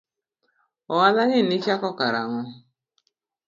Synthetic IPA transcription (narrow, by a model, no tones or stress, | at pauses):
ɔwalaɲɪnɪt͡ʃakɔkaɾaŋʊ